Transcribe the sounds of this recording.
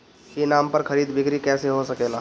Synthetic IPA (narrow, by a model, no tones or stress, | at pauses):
kinaːmpɐɾkʰɐɾiːd̪bɪkɾikɛːseɦosɐkeːlaː